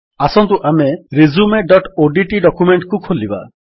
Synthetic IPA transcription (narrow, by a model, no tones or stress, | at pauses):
asɔnt̪uʔameɾizumeɖɔʈoɖiʈiɖɔkumeɳʈkukʰoliba̰